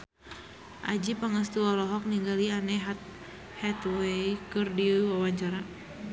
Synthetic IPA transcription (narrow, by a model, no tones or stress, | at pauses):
ʔad͡ʒipaŋəs̬t̪uɔlɔɦɔk̚niŋɡalianɛɦat̪̚ | hɛt̪wekɨrdiwawaɲt͡ʃaɾa